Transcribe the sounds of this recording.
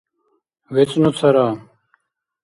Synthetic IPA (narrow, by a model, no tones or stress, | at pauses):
wet͡snut͡sʰɐɾaː